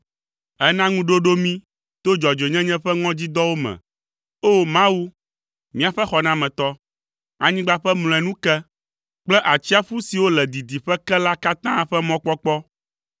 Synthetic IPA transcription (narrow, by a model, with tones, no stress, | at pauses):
ɛ˦nã˦ŋũ˦ɖo˦ɖo˦mĩ˦ | t̪o˦d͡ʒɔ˨d͡ʒo˨ɲɛ̃˦ɲɛ̃˦ɸɛ˦ŋɔ̃˦d͡ʑi˦d̪ɔ˦wo˦mɛ̰̃˨ | o˦mã˦wu˦ | mĩ˦a˨ɸɛ˦xɔ˨nã˦mɛ̃˨t̪ɔ˦ | a˨ɲĩ˦ɡ͡ba˦ɸɛ˦ml̃ɔ̃˨ɛ˨nũ˦kɛ˦ | k͡plɛ˦ʔa˨t͡ɕi˦a˦ɸu˦si˨wo˦lɛ˨d̪i˨d̪i˨ɸɛ˦kɛ˦la˦ka˦t̪ã˦ɸɛ˦mɔ̃˦k͡pɔ˦k͡pɔ˦